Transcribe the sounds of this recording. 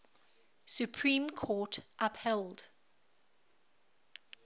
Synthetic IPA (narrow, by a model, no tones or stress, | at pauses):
sjupʰɹĩːmkʰɔːˑtʔaphɛld̥